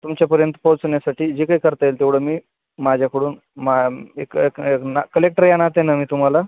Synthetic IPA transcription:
t̪umt͡ɕjapəɾjənt̪ə̥powt͡snjasaʈiːd͡ʑikaikəɾt̪aelt̪eʋɽ̤əːmiː | mad͡ʑʱjakəɽuːn | maekekeknakəlek̚ʈəɾjanat̪enamiːt̪um̤ala

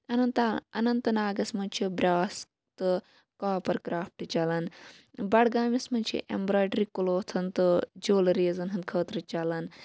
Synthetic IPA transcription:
ɐnɐnt̪ɐnɐnt̪ɨnaːɡɐsmɐnt͡ʃʰibɾʲaːsk | t̪ɨ | kaːpɐɾkɾaːf̚ʈɨt͡ʃɐlɐn | bɐɽɡaːmismɐnt͡ʃʰḭʔḛmbɾaːjɖɾikuloːt̪ʰɐnt̪ɨd͡ʒoːlɐɾeːzɐnɦɐnkʰəːt̪ɾɐt͡ʃɐlɐn

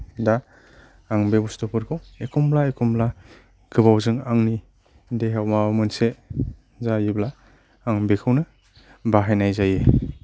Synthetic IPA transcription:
daː | ŋbebustɔpʰɯɾkʰɯwekʰɔmblaekʰɔmbla | ɡɯbawzɯŋaŋni | deɦawmamɯnse | zajiblaː | ŋbekʰɯwnɯ | baɦajnajzaje

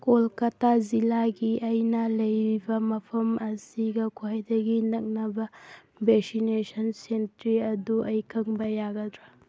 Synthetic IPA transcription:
kolkɐtʰazilaɡiʔɐjnɐlɐjɾibɐmɐpʰɐmɐsiɡɐkʰajdɐɡinɐk̚nɐbɐ | beksinesʰɐnsentɾiɐduʔɐjkʰɐŋbɐjaɡɐdɾɐ

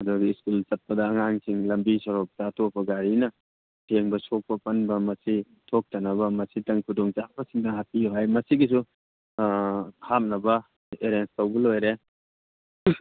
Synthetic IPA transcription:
ɐduɡiːskult͡ʃɐt̚pɐdɐːŋaŋsʰiŋlɐmbisɔɾok̚tɐːtʰopːɐɡaɾinɐ | tʰeŋbɐsok̚pɐpɐnbɐmɐsi | tʰok̚tɐnɐbɐmɐsitɐŋkʰudoŋt͡ʃabɐsiŋdɐɦatiuɦajmɐsiɡis̬u | ham̚nɐbɐ | eɾenstɐwbɐlojɾe

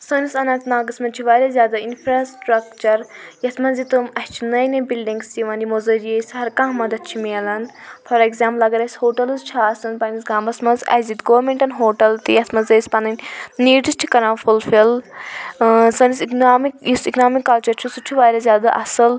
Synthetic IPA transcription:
səːnisɐnaːt̪naːɡɐsmɐnt͡ʃʰiʋaːɾʲazʲjaːd̪ainfɾaːsʈɾɐkt͡ʃɐɾjɐt̪ʰmɐnzit̪ɨmɐht͡ʃʰinɐjnebilɖiŋɡst̪iʋãndʲimozɐd͡ʒjesʲɦɐɾkãːɦmɐd̪ɐt̪̚t͡ʃʰimeːlɐn | pʰɐɾekzʲaːmplɐɡɐɾɐsʲhoːʈɐlɨzt͡ʃʰaːsɐnpɐnisɡaːmbɐsmɐnzɐ̰zit̪ɡoʋɐɾmʲeɳʈɐnɦoːʈɐlt̪ḭjɐt̪ʰmɐnzɐjsʲpɐnɐnʲniːɖisʈʰi̥kɐɾãːfulfil | sɐːnisikaːmikisiknaːmikːɐlt͡ʃɐɾt͡ʃʰusut͡ʃʰiʋaːɾʲɐzʲjaːd̪aʔɐsɨl

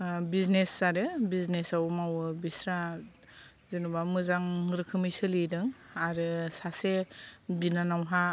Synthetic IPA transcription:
biznesaɾɯbiznesawmawɯbisɾa | zinubamɯzaŋɾɯkʰɯmijsɯlidɯŋaɾɯsasebinanawɦa

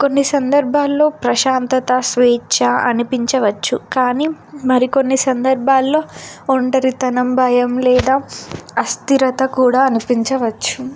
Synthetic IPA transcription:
ko̞nːisɐnd̪ɐɾbʱaːlːo̞ːpɾɐʃaːnt̪ɐt̪ɐsʋɛːt͡ʃɐɐ̰nipiɲt͡ʃɐʋɐt͡ʃːukaːniːmɐɾiko̞nːisɐnd̪ɐɾbʱaːlːo̞ːɳʈɐɾit̪ɐnɐmbʱɐjɐmlɛːd̪aːɐst̪iɾɐt̪ɐkuːɽaːɐnipiɲt͡ʃɐʋɐt͡ʃːu̥

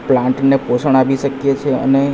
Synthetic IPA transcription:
plãɳʈneposəɳ̃aʋiʃəkjet͡ʃʰeə̰ne

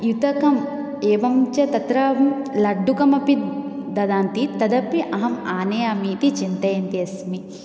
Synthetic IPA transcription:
jut̪ɐkɐm | eːʋɐmt͡ʃɐt̪ɐt̪ɾɐɐmlɐɖːukɐmɐpid̪ɐd̪aːnt̪it̪ɐd̪ɐpːiʔɐɦɐmaːneːɐmiːt̪it͡ʃint̪ɐjɐnt̪iɐsmi

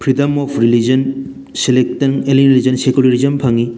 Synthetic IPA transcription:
pʰɾidɐmɔpʰɾilid͡ʒɐn | selek̚tɐnelinɾilizɐnsekulɐɾizɐmpʰɐŋi

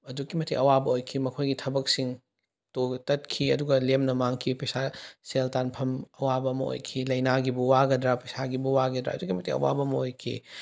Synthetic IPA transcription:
ɐdukːimɐtʰḭʔɐwabɐojkʰimɐkʰojɡitʰɐbɐk̚siŋ | totɐt̚kʰiɐduɡɐlemnɐmaŋkʰipɐjsaseltanpʰɐmɐwabɐmɐo̰jkʰilɐjnaɡibuwaɡɐdɾapɐjsaɡibuwaɡɐdɾa̰ɐ̰dukːimɐtiɐ̰wa̰bɐmɐojkʰḭ

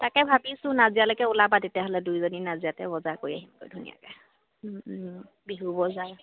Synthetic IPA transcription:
takɛbʱabisʊ̃nazijalojkɛʊlabatetijaɦɔlɛdujzoninazijatɛbɔzakoɹiaɦimko̰jdʱunḭja̰ka | biɦubɔzaɹ

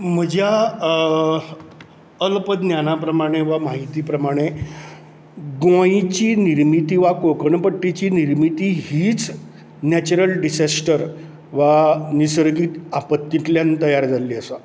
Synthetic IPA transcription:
m̤əd͡ʑʱja | əlpəd̪njanapɾəmaɽ̃eʋamaɦit̪iːpɾəmaɽ̃e | ɡoit͡ɕiːniɾmit̪iːʋakokəɳpəʈːit͡ɕiːniɾmit̪iːɦiːt͡s | næt͡ɕuɾəlɖisasʈəɾ | ʋanisəɾɡiːt̪apət̪ːit̪ljant̪əjaɾd͡zʱalːiːəsa

